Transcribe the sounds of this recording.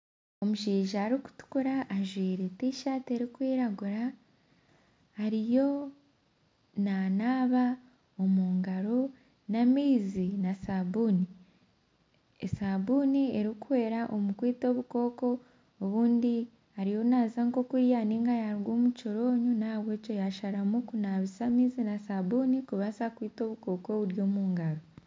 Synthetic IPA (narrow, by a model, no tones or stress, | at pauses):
o̞muʃiːʒaːɾiku̥tu̥kuɾaʔːʒwiːɾetiʃate̞ɾikwiːɾaɡuɾa | haɾijo̞ | nanaːβa | omuːŋɡaɾo̞ | namiːzinasabuːni | ḛsaβunie̞ɾikuwe̞ːɾaʔomukwiːto̞βuko̞ːko̞ː | βuːndi | aɾijo̞nazaŋko̞kuɾjaniŋɡajaɾɡoːmut͡ʃoɾo̞ːɲunaβwe̞ːco̞jaʃaɾamukunaβisamiːzinasaβunikuβasakwiːto̞ːβuko̞ːko̞βuɾjo̞ːmuːŋɡaɾo